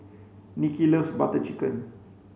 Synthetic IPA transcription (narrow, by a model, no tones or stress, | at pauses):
nikilosbat̪ət͡ʃikən